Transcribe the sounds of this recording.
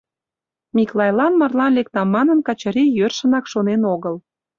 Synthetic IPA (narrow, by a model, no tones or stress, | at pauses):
mʲiklˠɑjlɑnmɑrlɑnlek̚t̪ɑmːɑnənkɑt͡ɕəɾijørʃənɑkʃonenoɣəl